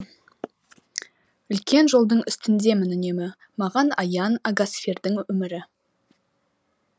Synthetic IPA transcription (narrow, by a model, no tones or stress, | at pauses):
ʏlkʲʰe̞nʒo̞lˠd̪əɴʏst̪ɪnd̪e̞mɪnʏnemɪ | mɑʁɑnɑjɑnɑɡasfʲerd̪ɪŋʏmɪɾɪ